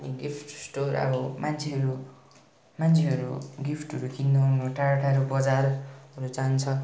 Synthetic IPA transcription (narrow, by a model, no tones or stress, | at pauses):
ʌniɡipʰʈsʈorʌ̰bʌmant͡sʰeɦʌɾu | mant͡sʰeɦʌɾṵɡipʰʈɦʌɾukʰind̪oɦʌnoʈaɾʈʰaɾubʌd͡zarɦʌɾut͡sant͡sʰʌ